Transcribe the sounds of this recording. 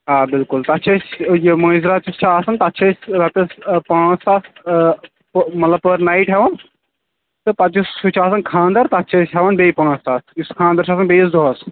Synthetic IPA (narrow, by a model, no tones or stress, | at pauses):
aːbɪlkult̪ɐtːʃʰɐsjemɐ̃ːzɾat͡ʃust͡ʃʰaːsɐnt̪ɐɐtːʃʰɐsʲɾɐt̪ɐspãːst̪aːs | pmɐt̪lɐb̚pəɾnaiʈɦeʋɐn | t̪ɨpɐt͡ʃusut͡ʃʰaːsɐnkʰãːnd̪ɐɾt̪ɐɐtːʃʰɐsɦeʋɐnbejpãːst̪aːsuskʰãːnd̪ɐɾt͡ʃʰaːsɐnbejs̬d̪oɦɐs